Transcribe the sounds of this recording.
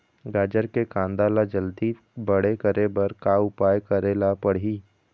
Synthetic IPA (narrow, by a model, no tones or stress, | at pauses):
ɡaːd͡ʒəɾkekãːnd̪aːlad͡ʒəld̪i | bəɽ̤ekəɾebɐɾkaʊpaːjkɐɾeːlapɐɽ̤iː